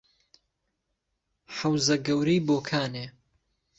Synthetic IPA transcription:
ħɐwzɐɡɐwɾiːboːkʰaːneː

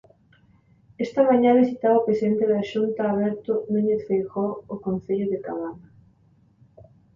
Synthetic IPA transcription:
ɛst̪ɐmaɲãβisit̪aβaopɾesient̪eðaːʃunt̪aːβɛɾt̪ʊnuɲeθfejɣoʊkonθeʎʊðet̪aβana

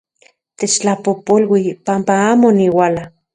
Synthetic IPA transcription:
t̪et͡ʃt͡ɬapopolwipampaaːmoniwala

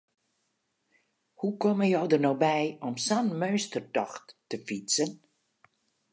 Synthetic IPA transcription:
hukɔməjɔwdərnoːbɛjɔmsanmøɥstərtɔxtːəfisən

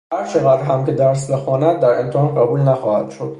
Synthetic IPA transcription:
hæɾt͡ʃʰeɣæd̪ɾɦæmce̞d̪æɾs̬bexɒːnæd̪̚d̪æɾe̞nt̪ʰehɒːnɢæbuːlnæxɒːhæ̰d̪̥ʃo̞d̪̥

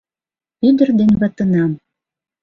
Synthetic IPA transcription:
yd̪ə̆rd̪enβɑt̪ə̆nɑm

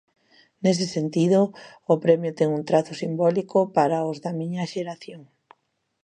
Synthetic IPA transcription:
nes̬esent̪ið̞ʊː | pɾɛmjʊt̪ɛŋunt̪ɾaθʊsimbɔlikʊpaɾaʊzðɐmiɲɐʃeɾaθjoŋ

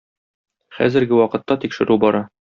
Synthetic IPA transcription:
χæ̰zɘ̆ɾɡɘwɒqɤ̆t̪ːɑt̪ikʃɘ̆ɾʉbɒɾɑ

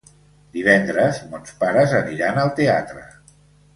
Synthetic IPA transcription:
d̪iβɛnd̪ɾəzmɔnspaɾəzəniɾanəlˠt̪eat̪ɾə

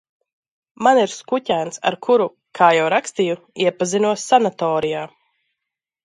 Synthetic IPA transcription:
maniɾskucʲæːnsa̰ɾkʰuɾu | kʰaːjawɾakst̪iju | iɛpazinuɔsːanat̪ɔːɾijaː

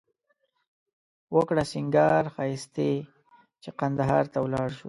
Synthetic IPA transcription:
wəkɽasɪŋɡɑɾxɑjɪst̪e | t͡ʃeqand̪aɦɑɾt̪awlɑɽʃu

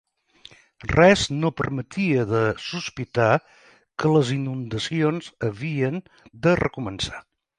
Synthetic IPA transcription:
rɛznopəɾmət̪iəðəsuspit̪a | kələzinund̪əsionzəβiən | d̪ərə̰kumənsḁ

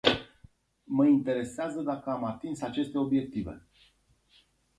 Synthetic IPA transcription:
məint̪e̞ɾe̞seazəd̪akəamat̪insat͡ʃe̞st̪e̞o̞bje̞k̚t̪ive̞̰

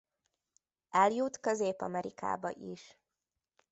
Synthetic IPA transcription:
ɛljut̪køzeːpɒ̰mɛɾika̰ːbɒ̰ʔiʃ

